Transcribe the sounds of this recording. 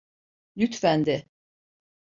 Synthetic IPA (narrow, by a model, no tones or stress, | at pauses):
lyt̪fænd̪ɪ